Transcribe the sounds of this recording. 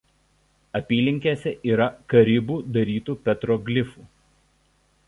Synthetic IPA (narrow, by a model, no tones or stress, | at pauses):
ɐpʲiːlʲɪŋʲkʲesʲɛʔiːɾɐkɐɾʲɪbuːd̪ɐɾʲiːt̪uːpʲɛt̪ɾoːɡʲlʲɪfuː